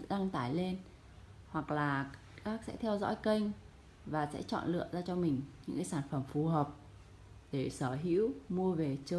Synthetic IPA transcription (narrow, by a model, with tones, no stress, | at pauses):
ɗa˧ŋt̪aː˧˩jle˧n | hwa˨˩k̚laː˨˩ | kaː˦˥k̚sɛ̰˧˥t̪ʰɛ˧wzɔ̰˧˥jkə˧jŋ̟ | vaː˨˩sɛ̰˧˥t͡ɕɔ̰˧˨nlɨ̰˧˨əzaː˧t͡ɕɔ˧mï˨˩ŋ̟ɲɨ̰˧˥ŋkaː˨˦jsaː˧˩nfə˧˩mfu˨˩ɦəː˨˩p̚ | ɗe˧˩səː˧˩ɦḭ˧˥əwmu˧əve˨˩t͡ɕəː˧